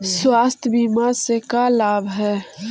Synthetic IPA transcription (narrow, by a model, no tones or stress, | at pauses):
swaːst̪ʰbimasekalaːbʱɦɛː